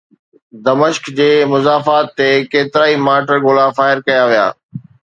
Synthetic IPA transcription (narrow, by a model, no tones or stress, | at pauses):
d̪ɐməʃkd͡ʑeːmʊzaːfaːt̪ːekeːt̪ɪɾaːimaːʈəɾɡoːlafaːɪɾkɐjaʋija̰ː